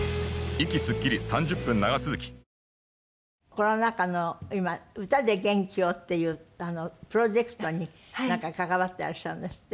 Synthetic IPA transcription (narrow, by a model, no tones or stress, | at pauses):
ikʲisɨkʲːiɾʲisãɲ̟d͡ʑɨpːɯ̟̃nːaɡat͡sɨzɨkʲi̥ | ko̞no̞nakano̞imaɯ̟t̪ad̪e̞ɡẽ̞ŋkʲiot̪ːe̞jɯːano̞pɯ̟ɾo̞ʑe̞kɯ̟̥t̪o̞ɲ̟i | nãŋkakakaβat̪ːea̰ɾaɕãɯ̃nd̪esɨ̥t̪ːe